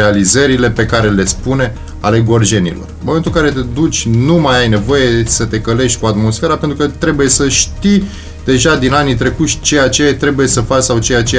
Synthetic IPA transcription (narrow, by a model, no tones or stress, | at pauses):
ealizəɾile̞pe̞kaɾe̞le̞spune̞ | a̰le̞ɡo̞rʒe̞nḭlo̞̰rmomet̪ulkaɾe̞t̪e̞d̪ut͡ʃʲnumajajne̞vo̞je̞sət̪e̞kəle̞ʃt̪ʲkuat̪mo̞sfe̞ɾape̞nt̪ɾukət̪ɾe̞buje̞səʃt̪i | d̪̥e̞ʒad̪inanit̪ɾe̞kusʲt͡ʃe̞jat͡ʃe̞jat̪ɾe̞buje̞səfat͡ʃʲsawt͡ʃe̞jat͡ʃe